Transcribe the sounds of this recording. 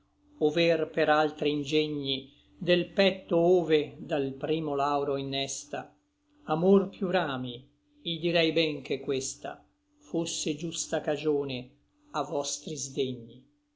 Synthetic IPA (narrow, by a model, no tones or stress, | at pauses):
ovɛrpeɾalt̪ɾiind͡ʒɛɲːi | d̪elpɛt̪ːooːved̪alpɾiːmolawɾoinːɛst̪a | amorpjuɾaːmi | id̪iɾɛjbɛŋkekːwest̪a̰ | fosːed͡ʒust̪akad͡ʒoːne | avɔst̪ɾizd̪eɲːi